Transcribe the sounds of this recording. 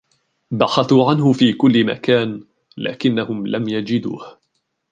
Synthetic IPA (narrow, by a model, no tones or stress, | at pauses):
baxɑθuːʕanɦʊfiːkʊlːɪma̰kaːn | la̰ːkɪnːahʊmlamjad͡ʒɪd̪ṵːh